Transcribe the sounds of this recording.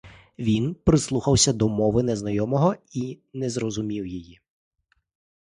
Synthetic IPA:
ʋʲinpɾɪslˠuxɐwsʲɐd̪ɔmɔʋɪnɛznɐjɔmɔɦɔi | nɛzɾɔzʊmʲiwjɪji

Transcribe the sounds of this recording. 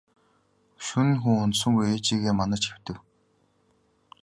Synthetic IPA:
ʃunxuŋʊnt̪sɵ̆ŋɡujeːt͡ɕiːɣeːmanə̆t͡ɕxew̥t̪ɘ̆w

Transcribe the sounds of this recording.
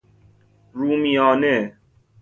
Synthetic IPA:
ɾuːmijɔːne

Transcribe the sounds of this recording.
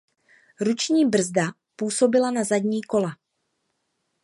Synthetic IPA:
ɾut͡ʃɲiːbr̩zda | puːso̞bɪlanazadɲiːko̞la

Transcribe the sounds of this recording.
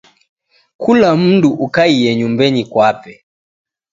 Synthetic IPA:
kulam̩nduʔukaijɛɲumbɛɲikwapɛ

